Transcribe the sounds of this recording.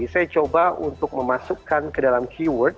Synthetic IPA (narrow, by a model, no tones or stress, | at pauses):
sajat͡ʃobaunt̪ʊk̚məmasukːankədalamkʰiwərt̪̚